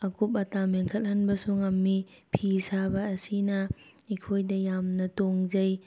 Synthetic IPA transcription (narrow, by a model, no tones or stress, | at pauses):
ɐkup̬̚ɐtameŋkʰɐt̚hɐnbɐsuŋɐmi | pʰisabɐːsinɐ | ikʰojdɐjamnɐtoŋzɐj